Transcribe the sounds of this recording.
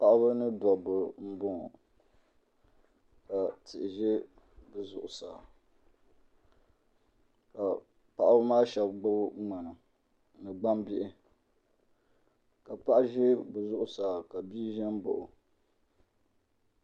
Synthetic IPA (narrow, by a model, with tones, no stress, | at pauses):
pa˦ʔa˦bɨ˦nɨ˦dɔ˨bɨ˨m̩˦bʊ˦ŋ˨ | ka˨tɪ˨ʔɪ˨ʒe˦ | bɨ˨zʊ̰˨ʔʊ˨saː˨ | ka˨ | pa˨ʔa˦bɨ˦maː˦ʃɛ˨bɡ͡bʊ˦ŋ͡ma˨nɨ˨ | nɨ˨ɡ͡ba˦mbi˦ʔɪ˨ | ka˨pa˦ʔa˦ʒe˦bɨ˨zʊ˦ʔʊ˨saː˨ka˨biː˦ʒɛ˦m˦bo̰˨ʔʊ˨